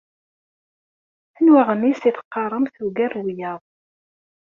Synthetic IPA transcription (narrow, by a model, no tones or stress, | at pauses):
ənwaʁənisiθə̥qːɑɾˤəmθuɡærwijɑðˤ